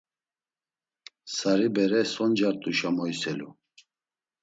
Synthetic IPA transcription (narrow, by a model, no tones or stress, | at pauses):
saɾibɛɾɛsɔnd͡ʒaɾt̪ʼuʃamɔjsɛlṵ